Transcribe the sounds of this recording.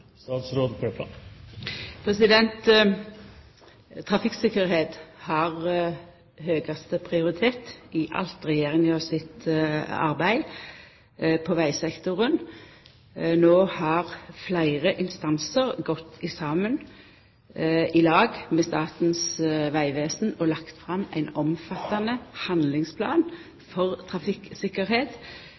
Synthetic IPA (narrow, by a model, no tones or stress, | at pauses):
sɑːt̪sɾoːd̪pʰep | pʰɾɛsɪd̪ɛnt̪ | t̪ʰɾɑfɪksɪkːəɾheːt̪hɑʁ | høːɡɑst̪əpʰʁɪʊʁɪt̪ʰeːt̪ɪʔɑ̰lt̪ʁɛjeːʁɪŋəɔsɪt̪ɑ̰ʁbæɪ | pʰɔʋæɪsɛkt̪ʊʁən | noːhɑʁflæɪʁəʔɪnst̪ɑnsəʁɡɔt̪ʰːɪsɑːmən | ɪlɑːɡmɛːst̪ɑːt̪n̩sʋæɪʋeːsn̩ɔlɑkt̪fʁɑmæ̰ɪnɔmfɑt̪ːɑnəhɑnd̪lɪŋspʰlɑ̰ːn | fɔʁt̪ʰʁɑfɪksɪkəʁheːt̪